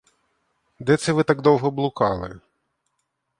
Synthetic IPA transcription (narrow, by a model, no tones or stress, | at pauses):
d̪ɛt̪sɛʋɪt̪ɑɡd̪ɔwɦɔblˠʊkɑlˠɪ̰